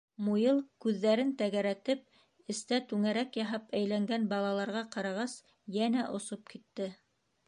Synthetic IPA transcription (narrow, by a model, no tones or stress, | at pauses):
mujɤlˠkʉðːæɾɘnt̪æɡæɾæt̪ɘp̚ | ɘ̆st̪æt̪ʉŋæɾækjɑɦɑpæjlæŋɡænbɑlˠɑlˠɑɾʁɑqɑɾɑʁɑs | jænæʔŏsop̚kit̪ːɘ